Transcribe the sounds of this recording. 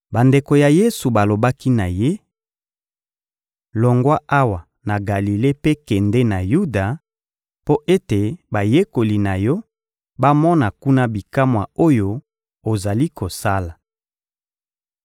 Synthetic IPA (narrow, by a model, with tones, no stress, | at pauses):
ba˨nde˨ko˨ja˨je˦su˨ba˨lo˨ba˦ki˦na˨je˦ | lɔ˨ŋɡwa˦ʔa˦wa˨ | na˨ɡa˨li˨le˦pe˦kɛ˨nde˦na˨ju˦da˨ | po˦ʔe˦te˨ba˨je˦ko˨li˨na˨jɔ˦ | ba˦mɔ˦na˨ku˦na˦bi˨ka˦mwa˨o˦jo˦ | o˨za˨li˦ko˨sa˦la˨